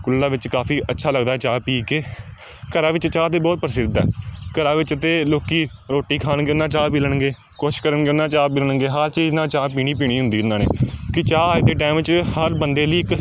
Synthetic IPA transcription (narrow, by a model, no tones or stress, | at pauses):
kʊlːãːʋɪt͡ʃkaːfʰiːʔətːʃʰaːləɡd̪aːɛːt͡ʃaːpiːkeː | kəɾaːʋɪt͡ʃt͡ʃaːt̪eːbɔːt̪̚pəɾəsɪd̪ɛ̰ːkəɾãːʋɪt͡ʃət̪eːloːkiː | ɾoːʈiːkʰaːnɡeːʊnãːt͡ʃaːpiːləɳɡeː | koːʃɪʃkəɾəɳɡeːʊnːãːt͡ʃaːpiːləɳɡeːɦəɾt͡ʃiːznãːt͡ʃaːpiːɽ̃iːpiːɽ̃iːɦʊnd̪iːʊnãːnḛːkɪt͡ʃaːaːeːd̪eːʈaːɪmʋɪt͡ʃhəɾbənd̪eːliːɪk